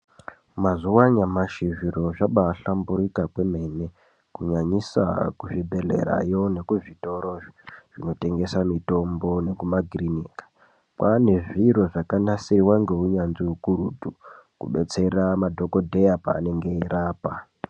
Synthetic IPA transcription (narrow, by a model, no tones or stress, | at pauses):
mazuwaɲamaʃiʐiɾo̞ʐaɓaːɬambuɾikakwe̞me̞ne | kuɲaɲisa̰kuʐibʱe̞ɮe̞̰ɾa̰jo̞ne̞kuʐito̞ɾo̞ʐiʐ̥ino̞te̞ŋɡe̞samito̞mbo̞ne̞kumaɡʱiriniːkḁ | kwane̞ʐiɾo̞ʐakanasiriwaŋɡe̞uɲanziukuɾutu | kṵɓe̞t͡se̞ramadʱo̞ko̞dʱejapa̰ːne̞ŋɡe̞iɾaːpa